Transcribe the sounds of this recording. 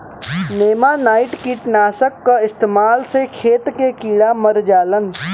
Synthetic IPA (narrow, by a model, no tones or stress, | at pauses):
neːmanaːɪʈkiʈnaːsəkːaɪst̪eːmaːlsekʰeːt̪kekiːɽaməɾd͡ʒaːlən